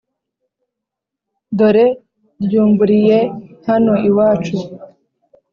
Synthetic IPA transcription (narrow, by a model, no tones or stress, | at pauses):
d̪o̞ɾe | ɾjuːmbuɾije̞hano̞iwaːt͡ʃu